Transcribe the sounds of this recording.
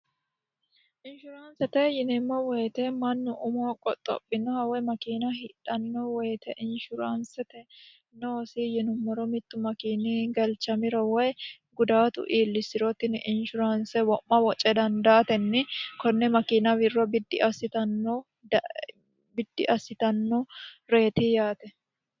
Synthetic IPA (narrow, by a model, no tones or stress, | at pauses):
ʔɪnʃʊɾaːnsɛt̪ɛjɪnɛmːɔwɔjt̪ɛmɐnːʊʔʊmokʼɔt̪ʼːɔ̰pʼːɪnɔhɐwɛmɐkiːnɐɦɪᶑɐnːɔwɛjt̪ɛʔɪnʃʊɾaːnsɛt̪ɛ | noːsɪjɪnʊmːɔɾɔmɪt̪ːʊmɐkiːniːɡɐlt͡ʃɐmɪɾɔwɔj | ɡʊd̪aːt̪ʊ̰ʔiːlːɪsɪɾɔt̪ɪnʔɪnʃʊɾansɛwɔʔːɐwɔt͡ʃʼɛd̪ɐnd̪aːt̪ɛnːɪkɔnːɛmɐkiːnɐwɪrːɔbɪd̪ːɪʔɐsːɪt̪ɐnːoː | bɪd̪ːɪʔɐsːɪt̪ɐnːɔɾe̞ːt̪ijaːt̪ɛ